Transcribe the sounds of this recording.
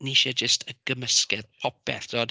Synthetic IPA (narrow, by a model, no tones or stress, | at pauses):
niʃɛd͡ʒəstʰəɡ̥əməskɛdpʰɔpɛ̰θd̥oːd